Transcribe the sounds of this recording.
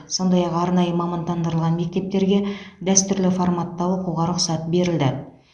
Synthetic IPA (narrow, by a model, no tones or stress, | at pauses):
so̞nd̪ɑjɑqɑɾnɑjəmɑmɑnt̪ɑnd̪əɾəlˠʁɑnme̞k̚t̪e̞p̚t̪e̞ɾɡʲed̪æst̪ʏɾlɪfoɾmɑt̪ːɑwoquwʁɑɾʊqsɑt̪be̞ɾɪld̪ɪ